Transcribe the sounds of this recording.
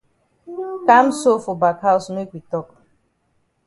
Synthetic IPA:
ka˦m̩˦so˦fɔ˨ba˨kɦa˦ʊ˨sne˦kʷi˨tɔ˦˨k

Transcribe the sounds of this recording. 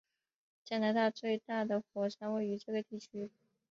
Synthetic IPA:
t͡ɕja˥˩na˧˥t̪a˥˧t͡swe˥˧ɪt̪a˥˩d̪ə˩xwɔ˧˥ʂʰa˥nwe˥˩ɪy˧˥ʈ͡ʂɤ˥˩ɡə˩t̪i˥˩t͡ɕʰy˥

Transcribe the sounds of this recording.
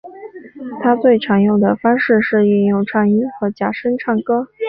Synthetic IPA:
t̪ʰa˥t͡swe˥˩ɪʈ͡ʂʰɑ˧˥ŋjo˥˩ʊd̪ə˩fɑ˥ŋʂɻ̩˥˧ʂɻ̩˥˧i˥˧ŋjo˥˧ʊʈ͡ʂʰɑ˥˩ŋi˥nxɤ˧˥t͡ɕja˨˩ʂə˥nʈ͡ʂʰɑ˥˩ŋkɤ˥

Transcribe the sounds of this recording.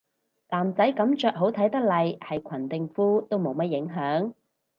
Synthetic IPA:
laː˨˩mt͡sɐ˨˥jkɐ˨˧˥mt͡ʃœː˨k̚ɦo˨˥wt̪ʰɐ˨˥jt̪ɐ˥k̚lɐ˨jhɐ˨jkʷʰɐ˨˩nt̪ɪ˨ŋfuː˥t̪o˥wmo˨˧wmɐ˥t̚jɪ˨˥ŋɦœː˨˥ŋ

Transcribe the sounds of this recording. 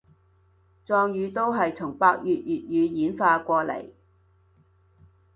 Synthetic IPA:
t͡sɔː˧ŋjyː˨˧t̪o˥wɦɐ˨jt͡sʰʊ˨˩ŋpaː˧k̚jyː˨t̚jyː˨t̚jyː˨˧jiː˨˥nfaː˧kʷɔː˧lḛ˨˩j

